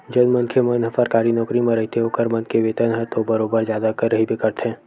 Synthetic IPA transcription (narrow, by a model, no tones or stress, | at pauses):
d͡ʒɐnmɐ̃nkʰjemɐnɦəfəɾkaːɾinɔːkɾimẽɾɐɦit̪ʰeɦoːkəɾmɐ̃nkeʋeːt̪ənɦɛt̪obɐɾoːbəɾzjaːd̪akəɾːɐɦibekɐɾt̪ʰɛ̃ː